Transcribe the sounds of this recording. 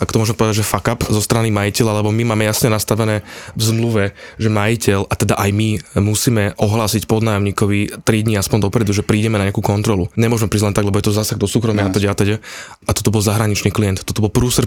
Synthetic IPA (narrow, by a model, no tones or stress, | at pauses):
ʔakɔ̥t̪ɔmʊɔʒmɛpɔʋɛd̪aɟʒɛfakapzɔst̪ɾanimajicɛlalɛbɔmimaːmɛjasɲɛnast̪aʋɛnɛːvzmluʋɛʒɛmajicɛlʔat̪ɛd̪aʔajmimusiːmɛʔɔɦlaːsicpɔd̪naːjɔmɲiːkɔʋit̪ɾid̪ɲiaspɔnd̪ɔpɾɛd̪uʒɛpɾiːɟɛmɛnaɲɪakuːkɔnt̪ɾɔluɲɛmʊɔʒmɛpɾiːɟlɛnt̪aɡlɛbɔjɛt̪ɔzaːsaɡd̪ɔsuːkɾɔmɪaat̪ɛɟɛat̪ɛɟɛʔat̪ɔt̪ɔbɔlzaɦɾaɲit͡ʃniːklijɛnt̪t̪ːɔt̪ɔbɔlpɾuːsɾ